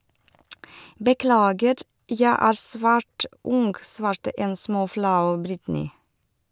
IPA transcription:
bəˈklɑːɡəɾ ˈjæ ˈæːɾ ˈsʋæːʈ ˈʊŋɡ ˈsʋɑːɾtə ˈeːn ˈsmoːˌflɑʉ ˈbɾɪtnɪ

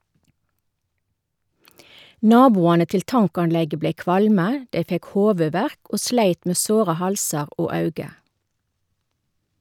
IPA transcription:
ˈnɑːbuːɑnə ˈtɪl ˈtɑŋkɑnˌlɛɡə ˈbleɪ ˈkʋɑlmə ˈdɛ ˈfɛk ˈhoːʋʉˌʋæʁk ˈoː ˈʃleɪt ˈmeː ˈsoːʁə ˈhɑlsɑʁ ˈoː ˈɑʉɡə

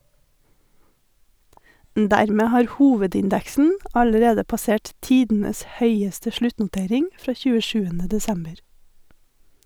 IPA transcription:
m ˈdæɾmeː ˈhɑːɾ ˈhuːʋədɪnˌdɛksn̩ ˈɑləɾeːdə pɑˈseːʈ ˈtiːdn̩əs ˈhœʏəstə ˈʃlʉtnʊˌteːɾɪŋ ˈfɾɑː çʉːəˈʃʉːənə dɛˈsɛmbəɾ

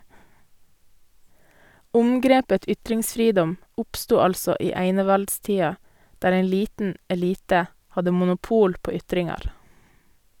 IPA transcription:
ˈʊmɡɾeːpə ˈʏtɾɪŋsˌfɾiːdɔm ˈʊpstuː ˈɑlsɔ ˈiː ˈæɪnəʋɑltˌstiːɑ ˈdæːɾ ˈæɪ ˈliːtn̩ ɛˈliːtə ˈhɑdə mʊnʊˈpuːl ˈpoː ˈʏtɾɪŋɑɾ

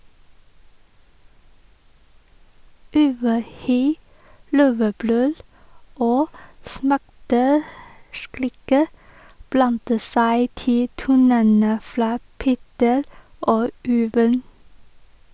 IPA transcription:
ˈʉʋəˌhyː ˈløːʋəˌbɾøːl ˈoː ˈsmæʈəˌskɾiːkə ˈblɑntə ˈsæɪ ˈtɪ ˈtuːnənə ˈfɾɑː ˈpeːtəɾ ˈoː ˈʉːʋən

